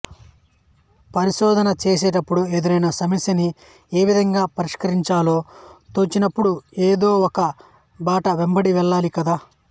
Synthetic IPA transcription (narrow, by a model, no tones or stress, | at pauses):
pɐɾiʃɔːd̪ʱɐnɐt͡ʃeːs̬eːʈɐpːuɽued̪uɾɐjnɐsɐmisɐni | eːʋid̪ʱɐŋɡaːpɐɾiʂkɐɾiɲt͡ʃaːlo̞ːt̪ot͡ʃinɐpːuɽueːd̪o̞ːɔkɐ | baːʈɐʋembɐɽiʋɛɭːaːlikɐd̪aː